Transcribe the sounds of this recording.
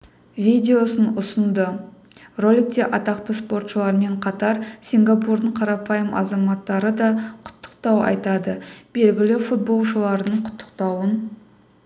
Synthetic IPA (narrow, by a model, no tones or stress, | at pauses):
vʲijd̪ʲe̞o̞sənʊsənd̪ə | ro̞lʲˠik̚t̪e̞ʔɑt̪ɑqt̪əspo̞ɾt̪ʃəlˠɑɾəme̞ɴqʰɑt̪ɑɾsʲiŋɡapuɾd̪əɴqʰɑɾɑpɑjəmʔɑ̰zɑmɑt̪ːɑɾəd̪ɑqʰʊ̥t̪ːə̥q̚t̪ɑwɑ̰jt̪ɑd̪əb̥e̞lɡʲɪlɪfut̪̚bo̞lˠʃəlˠɑɾənəɴqʰʊ̥t̪ʰːə̥qt̪ɑwən